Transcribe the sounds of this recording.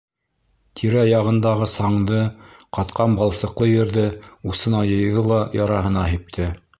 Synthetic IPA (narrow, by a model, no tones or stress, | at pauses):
t̪ʰiɾæjɑʁɤ̆nd̪ɑʁɤsɑɴd̪ɤqɑt̪qʰɑnbɑlˠsɤ̆qlˠɤjɘ̆ɾðɘusɤ̆nɑjɤ̆jðɤlˠɑjɑɾɑɦɤ̆nɑɦip̚t̪ʰɘ